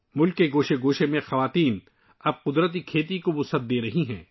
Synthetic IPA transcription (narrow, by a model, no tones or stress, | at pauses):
mʊlkːeɡoːʃeɡoːʃemẽxɐʋaːt̪iːn | ɐb̚qʊd̪ɾət̪̬ikʰeːt̪ikobʊsɐt̪̚d̪eːɾɐɦiɦɛ̰̃ː